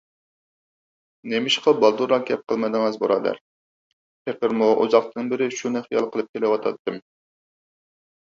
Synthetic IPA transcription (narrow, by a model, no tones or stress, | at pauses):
nemɪʃqɑbɑlˠd̪uɾɑkʲɛp̚qʰəlˠmɨd̪ɨŋɛzbo̰ɾɑːd̪æ̰ɾ | pʰeqəɾmuʔṵzɑq̚t̪ɨŋbɪɾɪʃunæχjɑlˠqʰəlˠɨp̚kʲʰelɪwɑt̪ʰɑ̰t̪ːɨm